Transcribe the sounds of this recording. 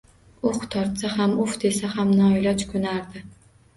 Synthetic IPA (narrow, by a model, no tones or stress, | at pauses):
ʊχt̪ʰɒɾt̪saɦamʊfd̪e̞sahamnɒjlɒt͡ʃkʰɵnaɾd̪ɪ